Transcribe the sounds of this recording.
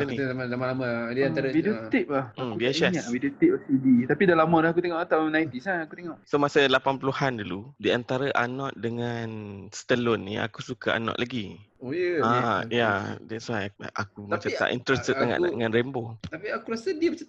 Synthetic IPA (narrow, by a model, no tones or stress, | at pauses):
animazamãlamədianaɾəiot̪iʔ̚lahauiasɛɲaʔwidiot̪iʔ̚asədit̪apidalamalahak̬ut̪eŋɔʔat̪anajint̪isaakut̪eŋɔʔsomasəlapanpuluhanduludiant̪aɾəʔa̰nɔʔ̚dəŋansə̥t̪əlʊnːia̰kusukaa̰nɔ̰ʔlaɡiojəajadɛswajʔa̰kumat͡ʃat̪a̰ʔḭnt̪ɾəst̪ət̪aŋa̰ʔdəŋãnɾɛmbot̪apiakuɾasədimat͡ʃa